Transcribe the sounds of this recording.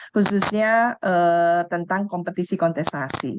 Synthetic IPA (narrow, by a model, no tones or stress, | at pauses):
kususɲaət̪ənt̪aŋkɔmpət̪isikɔnt̪ɛst̪asḭ